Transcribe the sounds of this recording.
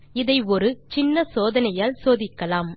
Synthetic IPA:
ɪðɐɪɔɾɯt͡ʃɪnːɐsoːðɐnɐjaːlsoːðɪkːɐlaːm

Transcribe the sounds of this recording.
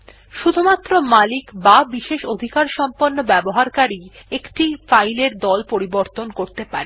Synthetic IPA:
ʃud̪ʱumat̪ːɾomalikbabiʃeʃod̪ʱikaɾʃɔmponːobɛboɦaɾkaɾiekʈifajleɾd̪ɔlpoɾiboɾt̪onkoɾt̪epaɾe

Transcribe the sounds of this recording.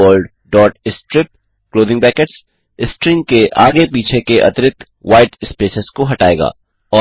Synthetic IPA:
əlɖ | ɖɔːʈɪsʈɾɪp̚ | kloːd̪ɪ̃ŋpɛːkəʈs | ɪsʈɾĩŋkeʔaːɡepiːt͡ʃʰekeʔɐ̰t̪ɾɪt̪ | ʋaːɪʈɪspeːsɪskoɦɐʈaːeːɡa̰ː | ɔː

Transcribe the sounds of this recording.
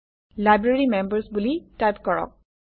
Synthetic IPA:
lajbɹeɹimɛmbəɹsbulitajpkɔɹɔ̰k̚

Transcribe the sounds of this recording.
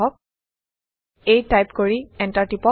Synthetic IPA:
ɔk̚ | ejtajpkoɹiɛ̃ntaɹtipɔ

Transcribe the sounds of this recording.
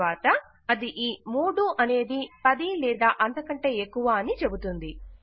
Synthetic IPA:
aːt̪ɐ | ɐd̪iʔiːmuːɽuʔɐne̞ːd̪ipɐd̪ilɛːd̪aːʔɐnt̪ɐkɐɳʈe̞ːekːuʋaːɐnit͡ʃe̞but̪und̪i

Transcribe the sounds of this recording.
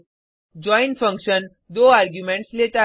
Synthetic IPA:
d͡ʑɔĩnfə̃ŋkʃən | d̪oaɾɡjumẽɳʈslet̪a

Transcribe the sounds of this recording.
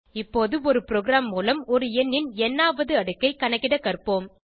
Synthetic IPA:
ɪpːoːðɯɔɾɯpɪɾoːɡɪɾaːmːuːlɐmɔɾɯɛnːɪnɛnːaːʋɐðɯɐɽɯkːɐɪkɐɳɐkːɪɽɐkɐrpoːm

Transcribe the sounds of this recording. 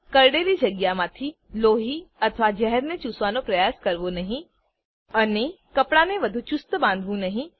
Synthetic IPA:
kɐɾɽeːlid͡ʒɐɡjamãt̪ʰi | loːɦiɐt̪ʰʋad͡ʒɛɦəɾnẽt͡ʃuːsʋaːnopɾɐjaːskɐɾʋonɐɦĩ | ɐnekɐpɽaneʋɐd̪ʱut͡ʃʊst̪bãːnd̪ʱʋũnɐɦĩ

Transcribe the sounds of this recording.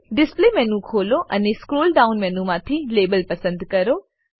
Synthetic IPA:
ɖɪsplemɛːnũkʰoːloʔɛnẽskɾoːlɖaːʊnmɛ̃ːnũmãːt̪ʰileːbəlpɐsə̃nd̪kɐɾoː

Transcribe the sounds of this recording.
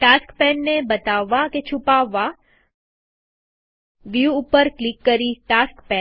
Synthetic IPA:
ʈaskpɛnːebət̪aʋːaket͡ʃʰupaʋːa | ʋjuːpəɾklɪkːəɾiʈaskpɛ

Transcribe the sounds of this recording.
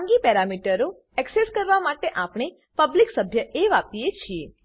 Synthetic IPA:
ŋɡipɛɾamiʈəɾo | ɛkseskəɾʋamaʈeʔapɳ̃e | pəbliksəbʱjəʔeʋapiet͡ʃʰie

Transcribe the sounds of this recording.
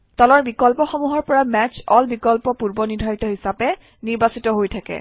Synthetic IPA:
tɔlɔɹbikɔlpɔxɔmuɦɔɹpɔɹamɛt͡ʃɔlbikɔlpɔpuɹbɔnidʱajitɔɦisapɛ | niɹbasitɔɦojtʰakɛ̰

